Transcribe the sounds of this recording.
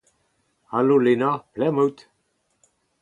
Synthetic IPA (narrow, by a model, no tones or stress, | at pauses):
alolenaplɛməwt̪